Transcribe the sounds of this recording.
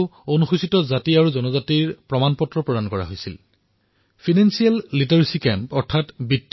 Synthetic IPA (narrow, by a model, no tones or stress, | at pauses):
onuxusitɔzatiaɹuzɔnɔzatiɹpɹɔmanpɔtːɹɔpɹɔdankɔɹa̰ɦojsḭl | pʰinansialːitaɹisikɛmpɔɹtʰatbitː